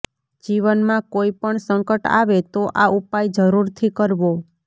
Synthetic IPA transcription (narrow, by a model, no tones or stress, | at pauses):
d͡ʒiʋənmãkoipəɳsəŋkəʈa̰ʋet̪oʔaupajd͡ʒəɾuɾt̪ʰikəɾʋo